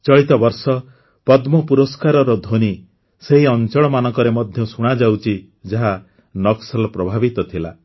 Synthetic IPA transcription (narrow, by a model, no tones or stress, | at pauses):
t͡ʃɔɭit̪ɔbɔɾsɔ | pɔd̪mɔpuɾɔskaɾɔɾɔd̪ʱoni | seɦiɔnt͡ʃɔɭɔmanɔŋkɔɾemɔd̪ʱjɔsuɽ̃ad͡ʒawt͡ʃʰi | d͡ʒaɦa | nɔksɔlɔpɾɔbʱabit̪ɔt̪ʰila